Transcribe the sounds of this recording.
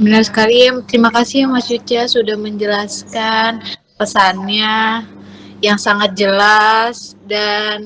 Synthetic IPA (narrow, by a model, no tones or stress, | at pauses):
mənaɾskaɾimt̪əɾimakasɪhmasut͡ʃasudahməɲd͡ʒəlaskan | pəsanɲa | jaŋsaŋat̪̚d͡ʒəlasdan